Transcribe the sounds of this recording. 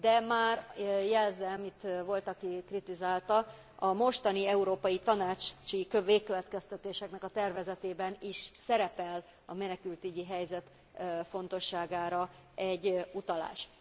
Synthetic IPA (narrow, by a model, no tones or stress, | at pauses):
d̪ɛmaːrjɛlzɛmit̪vo̞lt̪ɒkikrit̪izaːlt̪ɒ | ɒmo̞ʃt̪ɒniɛuɾoːpɒjit̪ɒnaːt͡ʃt͡ʃikøʋeːkːøvɛt̪kɛst̪ɛt̪eːʃɛknɛkɒt̪ɛrvɛzɛt̪eːbɛniʃsɛɾɛpɛl | ɒmɛnɛkylt̪yɟiɦɛjzɛt̪ | fo̞n̪t̪o̞ʃːaːɡaːɾɒ | ɛɟːut̪ɒla̰ːʃ